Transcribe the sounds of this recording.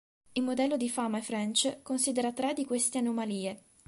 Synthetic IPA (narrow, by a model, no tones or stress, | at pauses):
ilmod̪ɛlːod̪ifamaefɾɛnt͡ʃekonsiːd̪eɾat̪ɾɛd̪ːikwest̪eanomaliːe